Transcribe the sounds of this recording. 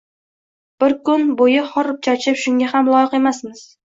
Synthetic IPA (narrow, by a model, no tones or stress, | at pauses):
b̥ɪɾkʊnbojɪχɒɾp̚t͡ʃʰat͡ʃʰɪpʃʊŋɡʲahamlˠɒjɪqe̞masmɪz̥